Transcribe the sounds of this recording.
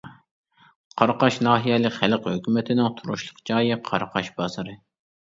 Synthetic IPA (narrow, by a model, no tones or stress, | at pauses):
qʰɑɾqɑʃnɑːɦijɛlɪkʲχælqhøkʲymɪt̪ʰɪnɪŋt̪ʰuɾuʃlˠʊqd͡ʒɑːjiqʰɑɾqʰɑʃbɑz̥ɨɾɨ